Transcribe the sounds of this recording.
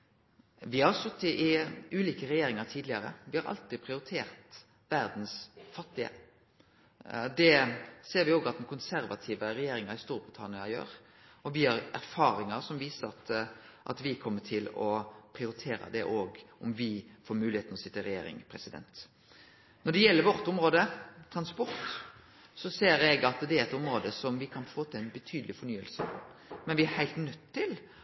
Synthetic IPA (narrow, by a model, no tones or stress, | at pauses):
ʋɪhɑsœt̪ːɪʔɪʉːliːkəɾɛjeːɾɪŋɑɾt̪ʰiːd̪lɪɑɾə̰ʋɪhɑɾʔɑ̰lt̪iːpʰɾɪʊɾɪt̪ʰeːɾt̪ | ʋæɾd̪nsfɑt̪ːɪə̰ | d̪ɛseːɾʋɪoːɡɑt̪̚d̪ɛn̩kʰʊnsæɾʋɑt̪ʰiːʋəɾɛjeːɾɪŋɑɾɪst̪uːɾbɾɪt̪ʰɑnɪɑjø̰ːɾ | ɔʋɪhɑɾæɾfɑːɾɪŋɑɾsɔmʋiːsəɾɑt̪ʔɑ̰t̪ʋɪkʰɔmːəʈʰɪlɔpʰɾɪʊɾɪt̪ʰeːɾɑ̰d̪ɛʔoːɡʊmʋɪfoːɾmʉːlɪheːt̪nɔsɪt̪ːəɾɛjḛːɾɪ̰ŋpʰɾɛsɪd̪ɛ̰nt̪ | nɔɖɛjɛlːəɾʋɔɾt̪ʊmɾoːd̪ət̪ʰɾɑnspɔɾt̪ | sɔseːɾɛɡɑt̪d̪ɛæɾɛt̪ɔmɾoːd̪əsɔmʋɪkʰɑnfoːt̪ʰɪlæɪnbɛt̪ʰyːd̪əlɪfɔɾɳyːə̰lsəmɛnʋɪæɾhæɪlt̪nœt̪ʰːɪl